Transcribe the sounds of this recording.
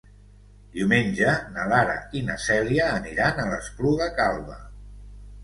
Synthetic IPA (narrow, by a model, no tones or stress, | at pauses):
d̪iwmenʲʒənəlaɾə̰inəsɛliəːniɾanələspluɣəkalˠβə̰